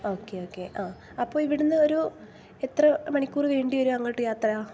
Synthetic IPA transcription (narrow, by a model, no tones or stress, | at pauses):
o̞ːkːe̞o̞ːkːe̞ʔaː | ɐpːo̞ːɭiʋiɽunːɨo̞ɾu | et̪rɐmɐɳikʲːuːriʋe̞ːɳɖijo̞ɾuɐŋːɐːʈːɨjaːt̪rɐjaː